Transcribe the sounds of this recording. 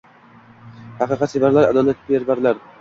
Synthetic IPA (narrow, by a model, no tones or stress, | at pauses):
hɑqʰɨːqɑt̪sevaɾlaɾa̰d̪ɒlat̪̚bʲeɾbaɾlaɾ